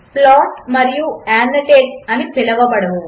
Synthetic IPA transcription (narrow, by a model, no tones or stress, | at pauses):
plɔʈməɾjũɛnːəʈek̚ənipʰeləʋapəɽ̤ʋõ